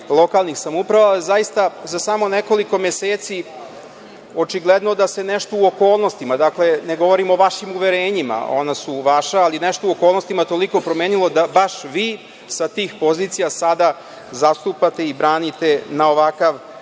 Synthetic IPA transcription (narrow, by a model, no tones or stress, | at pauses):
lˠo̞kalˠnixsamupɾaʋaezajist̪azasamo̞neko̞liko̞meseːt̪si | o̞t͡ʃiɡlˠed̪no̞d̪ase̞neʃt̪ouokoːlˠnost̪imad̪akle̞ne̞ɡo̞ʋo̞ɾimo̞ʋaʃimuʋeɾeːɲima̰o̞nasuʋaʃaːlinɛʃt̪ouokolˠnost̪imat̪o̞liko̞pɾomeːnilˠo̞d̪abaʃʋiː | sat̪iːxpo̞zit̪sijasad̪a | zast̪upat̪e̞ibɾaːnit̪e̞nao̞ʋakaʋ